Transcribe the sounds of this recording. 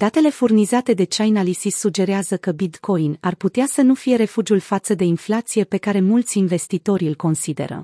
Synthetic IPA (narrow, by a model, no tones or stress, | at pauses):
d̪̥at̪e̞le̞furnizat̪e̞d̪e̞t͡ʃajnalisisːud͡ʒe̞ɾeazəkəbit̪kʰo̞inarput̪easənufije̞ɾe̞fud͡ʒiulfat̪səd̪e̞inflat̪sije̞pe̞kaɾe̞mult̪sʲinve̞st̪it̪o̞ɾʲilʲko̞nsid̪e̞̰ɾə̰